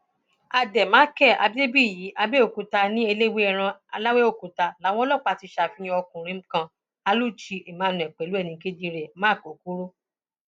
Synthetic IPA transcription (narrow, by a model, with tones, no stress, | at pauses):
a˧dɛ˨mãː˨˦kɛ˦˨ʔa̰˧bi˦e˦bi˦˨ji˨˦ʔa˧be˦o˦˨ku˨ta˧nĩ˦e˧le˦we˦ɛ˦˨ɾ̃ã˧a˧la˦we˦o˦˨ku˨ta˧la˨˦w̃ɔ̃˦lɔ˦˨k͡pa˨˧˨ti˨˧˦ʃa˧˨fi˦j̃ĩ˧˦ɔ˧kũ˨ɾ̃ĩ˦m̩˦kã˧ | a˨˧lu˦˨t͡ʃi˧ʔe˨mãː˨˦˨nũ˨ɛ˨k͡pɛ˨˦lu˦ɛ˦˨nĩ˧ke˦di˧ɾɛ˨mãː˦˨ko˨˦ku˦ɾo˦